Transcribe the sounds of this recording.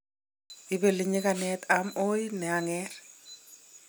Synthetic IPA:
ibeliɲɪkanɛt̪ʰamojnɛaŋɛɾ

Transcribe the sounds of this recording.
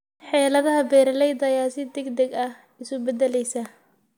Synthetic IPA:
ħɛːlɐðɐɦɐbɛːɾɐlɛjd̪ɐjaːsɪd̪ɛɡd̪ɛɡɐh | ɪsʊbɛdɛlɛjsɐ

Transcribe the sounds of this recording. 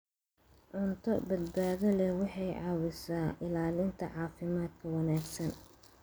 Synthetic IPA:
ʕʊnt̪ʰɔbɐd̪baːðɐlɛwɑħɑjʕɑːwɪsaːʔɪlaːlɪnt̪ʰɐʕɑːfɪmaːd̪kʰɐwɑnaːɡsɐn

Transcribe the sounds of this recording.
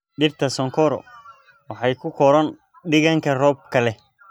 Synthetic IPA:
ɖɪrt̪ʰɐsɔŋkʰɔɾɔ̰ | wɑħɑjkʰʊkʰɔɾɐn | ɖɪɣɐŋkʰɐrɔːb̚kʰɐlɛ

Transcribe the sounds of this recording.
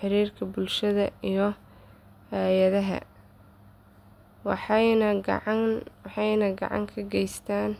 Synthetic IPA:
ħɪɾiːrkʰɐbʊlʃɐðɐijɞ | hɛjɐðɐɦɐ̰ | wɑħnɐɡ̰ʕwɑħɑjnɐɡɑ̰ʕɑ̰ŋkʰɐɡɛjst̪ʰaːn

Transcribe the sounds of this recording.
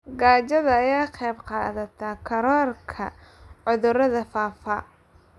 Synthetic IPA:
ɡaːt͡ʃɐðɐːjaːqɑjbqɑ̰ːðɐt̪ʰakʰɐɾɔːrkʰɐ̰ʕʊðʊɾɐðɐfaːfɐ

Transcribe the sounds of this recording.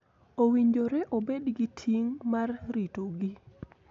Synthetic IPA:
owiɲd͡ʒoɾɛʔobedɡitʰiŋmarɾitoɡi

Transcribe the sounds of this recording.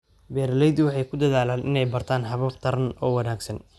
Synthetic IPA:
bɛːɾlɛjd̪ɪwɑħɑjkʰʊd̪ɐðaːlaːnʔɪnɛjbɐrt̪ʰaːnɦɐβɐbt̪ʰɐɾɐnɔːwɑnaːɡsɐn

